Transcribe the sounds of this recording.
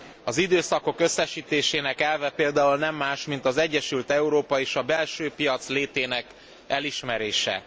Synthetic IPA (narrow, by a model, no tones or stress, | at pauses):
ɒzid̪øːsɒko̞kø̞sːɛʃiːt̪eːʃeːnɛkɛlvɛpeːld̪aːulnɛmːaːʃmint̪ɒzɛɟːɛʃylt̪ɛuɾoːpɒeːʃɒbɛlʃøːpijɒt̪sleːt̪eːnɛk | ɛliʃmɛɾeːʃɛ̰